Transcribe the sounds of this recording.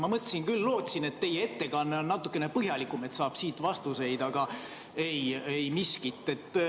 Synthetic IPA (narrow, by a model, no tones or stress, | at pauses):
mɑmɤt̪ːˑsinkylːo̞ːt̪sine̞t̪ːe̞jee̞t̪ːe̞kɑnːeonnɑt̪ːukːˑe̞ne̞pɤɦjɑlikˑume̞t̪sɑːb̥siːt̪vɑst̪use̞jd̪ɑɡ̥ɑ | ejejmiskit̪ːˑe̞t̪ːˑ